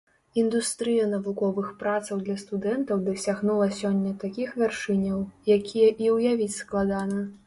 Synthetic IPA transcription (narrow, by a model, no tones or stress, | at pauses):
ind̪ust̪ɾɨjɐnɐvukɔvɨxpɾat̪sɐwd̪lʲɐst̪ud̪ɛnt̪ɐwd̪ɐsʲaɣnulˠɐsʲɔnʲːɐt̪akʲixvʲarʂɨnʲɐwjakʲʰijɐʔiwjavʲit͡sʲsklˠad̪anɐ